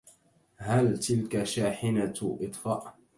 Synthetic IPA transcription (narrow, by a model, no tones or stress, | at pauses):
halt̪ɪlkaʃaːħɪnaʔɨt̪ˤfaːʔ